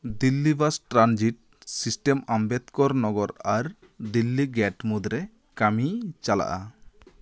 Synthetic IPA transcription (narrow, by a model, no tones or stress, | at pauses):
d̪ilːibasʈɾand͡ʒiʈ̚ | sisʈemambɛt̪kɔɾnɔɡɔɾaɾ | d̪ilːiɡɛʈmud̪ɾɛ | kamit͡ʃala̰ʔa